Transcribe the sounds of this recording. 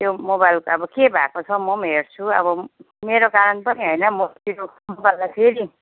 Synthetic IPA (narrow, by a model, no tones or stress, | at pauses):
t̪jomobajlkʌbʌkebʱakot͡sʰʌmʌmɦert͡sʰuʌ̰bʌ | meɾokaɾʌnpʌniɦʌjnʌmot̪io | mobajlːapʰeɾi